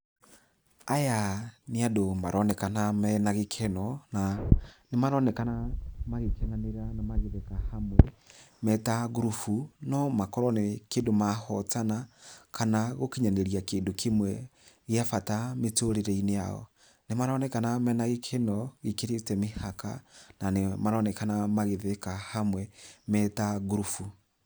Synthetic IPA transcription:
ajaneadomaɾʔɔnɛkanamɛnaɣekʰɛnɔnanemaɾɔnɛkanamaɣekɛnaneɾanamaɣeðɛkahamwɛmɛtaɣuɾufunɔmakɔɾɔnekeːndomahɔtanakʰanaɣokiɲanɛɾiakeːndokʰemwɛɣeafatametoɾeɾɛinea̰ɔ̰ | nemaɾɔnɛkanamɛnaɣekʰenɔɣekeɾetɛmehaka̰nanemaɾɔnɛkanamaɣeðekahamwɛmɛtaɣuɾufu

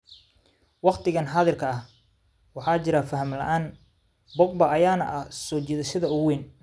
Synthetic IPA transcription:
wɑqt̪ʰɪɣɐnħɑːðɪrkʰɐɐh | wɑħɑːt͡ʃɪɾɐfɐɦɐmlɐ̰ʔaːn | bɔɡ̚bɐɐjaːnɐ̰ʔɐsɔːt͡ʃiːðɐʃɪðɐʊwiːn

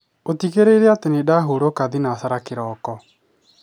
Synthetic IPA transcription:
otiɣeɾeiɾeatenedaɦoɾokaðinasaɾakeɾɔːkɔ

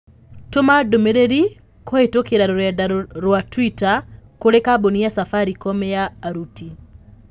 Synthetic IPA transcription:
tomadomeɾeɾi | koetokeɾaɾoɾɛdaɾoɾwatwitakoɾekaboniasafaɾikɔmɛjaːɾuti

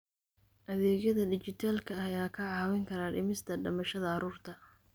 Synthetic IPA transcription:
ʔɐðɛːɣjɐðɐɖɪt͡ʃɪt̪ʰaːlkʰɐɐjaːkʰɐʕɑːwɛŋkʰɐɾaːɖɪmɪst̪ʰɐɖɐmɐʃɐðɐːɾuːrt̪ʰɐ

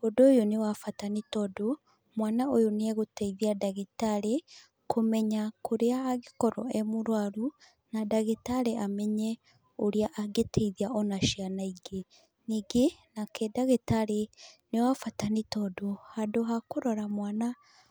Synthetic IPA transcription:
odoːjonewafatanitɔdo | mwaːnaojonieɣuteiðiadaɣitaɾe | kumɛɲakuɾeaaɣikɔɾɔ̰emuɾwaɾu | nadaɣetaɾeamɛɲe | oɾiaʔːɡetʰeiðiaɔnaʃianaiɡe | niɡenakedaɣetaɾenewafatanitodohadoɦakuɾoɾamwaːna

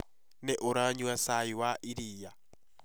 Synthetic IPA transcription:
neʔoɾaɲuasajiwaʔiɾiːja

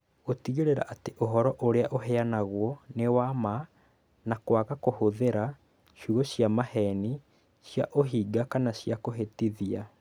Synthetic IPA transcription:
otiɣeɾeɾa̰ʔateʔoɦɔɾɔʔoɾeaʔoɦɛanaɣwɔnewama | nakwaɣakohoðeɾa | ʃuɣoɕjamahɛni | ɕja̰ʔoɦiːɡakanaɕjakoɦetiðia

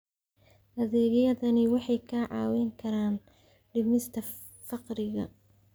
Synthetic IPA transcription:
hɐðɛːɣjɐðɐnɪwɑħɑjkʰaːʕɑ̰ːwɛŋkʰɐɾaːn | ɖɪmɪst̪ʰɐ | fɑqɾɪɣɐ̰

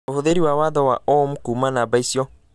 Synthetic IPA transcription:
ohuðeɾiwawaðɔwaɔmukuːmanabaisiɔ

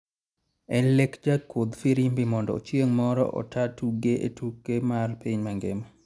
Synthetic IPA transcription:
ɛnlekd͡ʒakːwod̪fiɾimbimɔndɔ̰ot͡ʃjeŋmɔɾɔ̰ʔɔ̰tʰatuɡeʔḛtukːemarpiɲmaŋɡemɔ

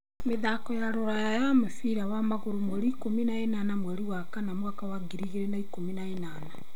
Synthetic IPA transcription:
meðakɔjaɾoɾajajamefiɾawamaɣoɾomwɛɾikominaenanamwɛɾiwakanamwakawaɡiɾiɣeɾenaikominaenaːna

